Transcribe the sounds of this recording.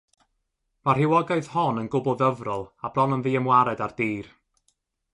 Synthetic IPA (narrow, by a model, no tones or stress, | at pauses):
mar̥ɪwɔɡaɨðhɔnənɡʊbɔðəvrɔlˠablˠɔnənðiːəmwaɾɛdard̥iːr